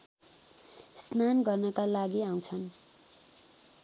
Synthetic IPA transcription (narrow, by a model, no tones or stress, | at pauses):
snanɡʌrnʌkalaɡiãw̃t͡sʰʌn